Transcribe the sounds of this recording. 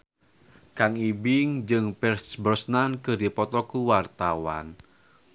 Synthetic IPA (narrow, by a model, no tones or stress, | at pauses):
kaŋibɪŋd͡ʒɨŋpɛrsbərsnankədipɔt̪ɔkuwart̪awa̰n